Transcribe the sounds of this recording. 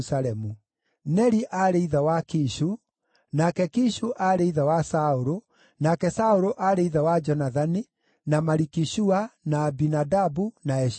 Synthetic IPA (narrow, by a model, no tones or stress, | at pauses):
saɾɛmu | nɛɾiʔaɾeiðawakiʃu | nakɛkiʃuʔaɾeiðawasaoɾo | nakɛsaoɾoʔaɾeiðawad͡ʒɔnaðani | namaɾikiʃuanaːbinadabunaɛ